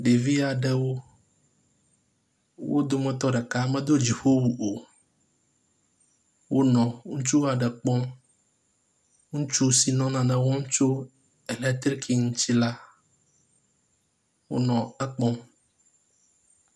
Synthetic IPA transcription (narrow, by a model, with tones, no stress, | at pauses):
ɖe˨vi˦a˨ɖɛ˦wo˦ | wo̰˦d̪o˦mɛ̃˦t̪ɔ˦ɖɛ˨ka˦mɛ̃˦d̪o˦d͡ʑi˨ho˦wu˨ʔo˨ | wo˦nɔ̃˨ŋũ˦t͡ʃu˦wa˨ɖɛ˨k͡pɔ˦ | ŋũ˦t͡ʃu˦si˨nɔ̃˦nã˨nɛ̃˨wɔ˦ŋũ˦t͡ʃo˦ | ɛ˨lɛ˦t̪ɾkʰi˦ŋũ˦t͡ɕi˦la˦ | wo̰˦nɔ̃˨ɛ˦k͡pɔ̃˦